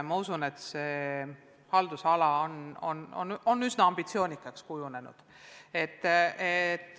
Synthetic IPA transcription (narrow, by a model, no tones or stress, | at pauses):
mɑusune̞t̪seː | hɑld̪usɑlɑono̰no̰no̞nːysnɑɑmb̥it̪sio̞ːnʲikːˑɑkskujune̞nṵd̪̥ | e̞t̪ːˑet̪ːˑ